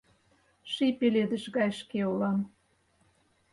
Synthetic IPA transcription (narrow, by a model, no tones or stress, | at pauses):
ʃipeled̪ə̆ʃɣɑjʃkeulɑm